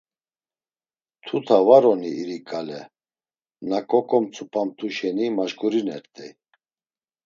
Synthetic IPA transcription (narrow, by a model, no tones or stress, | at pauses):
t̪ʰut̪ʰavaɾɔniiɾikʼalɛ | nakʼɔkʼɔmt͡sʰʼupʼamt̪ʰuʃɛnimaʒɡuɾinɛɾt̪ʼɛ